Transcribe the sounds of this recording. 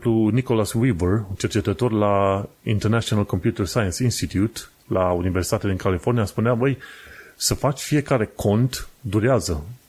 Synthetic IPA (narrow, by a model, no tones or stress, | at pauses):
pluniko̞laswivərunt͡ʃe̞rt͡ʃe̞t̪ət̪o̞rlaḭnt̪ernat͡ʃionalko̞mpjut̪ərsajənsinst̪it̪jut̪ | launiversi̥t̪at̪ead̪iŋkʰalifo̞rnijaspuneabəjsəfat͡ʃʲfije̞kaɾe̞kʰo̞nt̪d̪uɾeazə